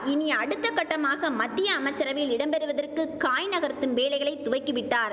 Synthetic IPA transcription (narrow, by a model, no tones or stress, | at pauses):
ɪniɐɽɯt̪ːɐkːɐʈːɐmaːɣɐmɐd̪ːɪjɐːmɐt͡ʃːɐɾɐʋɐjɪlɪɽɐmpɛɾɯʋɐðɐrkɯkaːjnɐɣɐɾt̪ːɯmʋeːlɐɪɣɐɭɐɪt̪ːʊʋɐɪkːɯʋɪʈːaːɾ